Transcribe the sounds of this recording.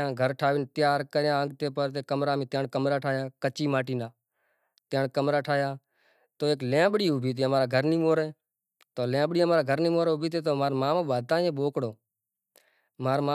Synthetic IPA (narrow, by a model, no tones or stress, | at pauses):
ãːɡʱəɾʈʰaːʋɪːnt̪ɪjaːɾkəɾjãːəŋɡ̚t̪eːpəɾt̪eːkəmɾaːmĩːt̪jãːɳkəmɾaːʈʰaːjaːkət͡ʃiːmaːʈiːnaː | t̪jãːɳkəmɾaːʈʰaːjaː | t̪oːeːklẽːbɽiːubʱiːt̪̬eːɦəmaːɾaːɡʱəɾniːmoːɾeː | t̪oːlẽːbɽiːəmaːɾaːɡʱəɾnĩːmoːɾeːʊbʱiːt̪̬eːt̪oːmaːɾmaːmoːɓaːd̪̚t̪ãːjẽːɓoːkɽoː | maːɾma